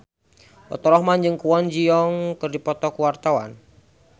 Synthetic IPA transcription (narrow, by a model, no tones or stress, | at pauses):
ɔ̰t̪ɔɾɔhmand͡ʒɨŋkuwɔnd͡ʒiɔŋkɨrdipɔt̪ɔkuwart̪awa̰n